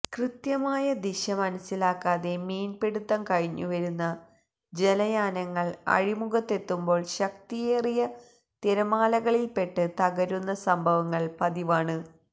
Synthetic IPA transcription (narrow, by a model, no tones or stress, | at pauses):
krɨt̪jɐmaːjɐd̪iɕɐmɐnɐsːilaːkːaːðe̞miːnpe̞ɽut̪ːɐmkɐɻiɲːuʋɐɾunːɐ | d͡ʑe̞lɐjaːnɐŋːɐɭɐ̰ɻimuɣɐt̪ːe̞t̪ːumbo̞ːɭɕɐkt̪ijeːrijɐ | t̪iɾɐmaːlɐɣɐɭilpe̞ʈːɨt̪ɐɣɐɾunːɐsɐmbʱɐʋɐŋːɐɭpɐðiʋaːɳɨ